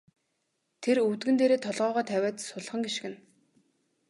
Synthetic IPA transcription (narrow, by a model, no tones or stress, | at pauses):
t̪ʰeruwt̪ɡɘ̆nt̪eːɾeːt̪ʰɔɮʁœːʁɔːt̪ʰæwʲæːt̪sʊɮχə̆ŋɡiʃɡɘ̆n